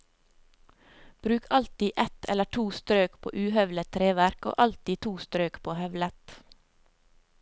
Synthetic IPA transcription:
b̥ɾʉːkʰɑlt̪iːʔɛt̪ɛləʈʰuːst̪ɾøːkpʰo̰ːʔʉːhœʋlət̪ʰɾeːʋæɾko̰ːʔɑlt̪iːt̪ʰuːst̪ɾøːkpʰoːhœʋlət̪

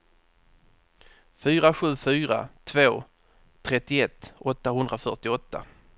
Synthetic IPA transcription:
fyːɾaɧʉ̟ːfyːɾa̰t̪ʰvoː | t̪ʰɾɛt̪ːɪɛt̪ːɔt̪ːahɵnd̪ɾafœʈɪɔt̪ːa̰

